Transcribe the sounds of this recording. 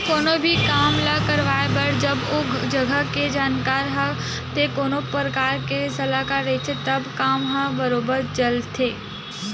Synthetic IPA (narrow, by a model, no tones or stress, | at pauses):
koːnobʱikaːmlakəɾʋaːebəɽd͡ʒɐboːd͡ʒɐɡʱəked͡ʒaːnkaːɾɦã | t̪ekoːnopɾəkaːɾkesɐlaːkaːɾːet͡ʃʰet̪ɐbkaːmɦãbəɾoːbəɾd͡ʒɐlt̪ʰeː